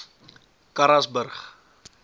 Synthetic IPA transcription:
kaɾasbərχ

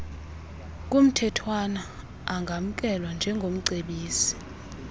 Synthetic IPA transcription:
k̬ʼum̩tʰɛtʰwanaː | ŋɡʱam̩k̬ʼɛlwand͡ʒʱɛŋɡʱom̩ǀeɓiːsi̥

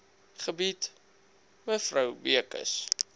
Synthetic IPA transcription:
χəbit | məfrəwbiəkə̰s

